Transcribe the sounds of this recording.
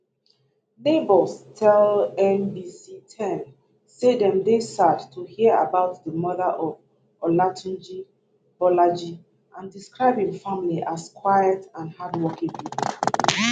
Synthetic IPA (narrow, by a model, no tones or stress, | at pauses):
nebɔlstʰɛlɛ̃nbisitʰɛ̃n | sedɛ̃mdesadtʰuhiəa̰baʊtðəmɔðəʔɔv | ɔlatʰũnd͡ʒi | b̥ɔlad͡ʒi | ʔãndiskɹaɪbhĩŋfãmiliʔaskʰwajətãnhadwɔkĩŋbip